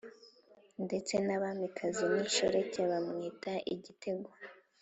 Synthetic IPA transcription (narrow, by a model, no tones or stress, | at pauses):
nde̞t͡se̞naβamikʰaziniʃo̰ɾecaβamŋiːtaʔiɟitʰe̞ɡwa